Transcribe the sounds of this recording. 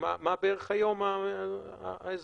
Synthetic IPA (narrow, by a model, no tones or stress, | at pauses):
ma̰mabeeʁeχajo̞ma | ez